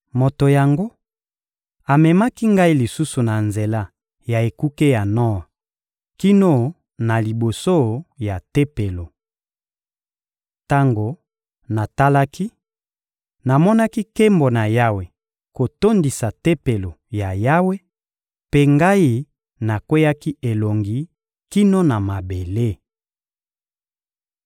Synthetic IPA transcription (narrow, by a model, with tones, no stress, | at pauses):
mo˨to˨ja˨ŋɡo˦ | a˨mɛ˨ma˦ki˦ŋɡa˦i˦li˨su˦su˨na˨nze˨la˦ | ja˨e˨ku˦ke˦ja˨nɔ˦wa˨ | ki˦no˦ | na˨li˨bo˨so˦ja˨te˦pe˨lo˨ | ta˦ŋɡo˨ | na˨ta˦la˦ki˦ | na˨mɔ˦na˦ki˦ke˦mbo˨na˨ja˦we˨ | ko˨to˦ndi˨sa˨te˦pe˨lo˨ja˨ja˦we˦ | pe˦ŋɡa˦i˦ | na˨kwe˦ja˦ki˦e˨lo˨ŋɡi˨ | ki˦no˦na˨ma˨be˨le˦˨